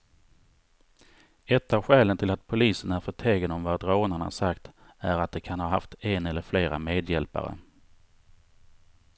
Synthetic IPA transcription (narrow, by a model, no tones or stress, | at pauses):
ɛt̪ːavɧɛːlənt̪ʰɪlat̪̚pʰʊliːsənæɾfœʈʰeːɡənɔmvad̪ɾoːnaɳa̰sakt̪æɾat̪̚d̪ɛkʰanhɑːɦa̰ft̪ɛnɛlːəɾfleːɾa̰meːd̪jɛlpa̰ɾə̰